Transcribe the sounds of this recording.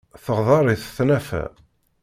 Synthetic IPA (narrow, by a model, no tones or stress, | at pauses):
θəʁðˤɑɾˤɪθθnæfæ̰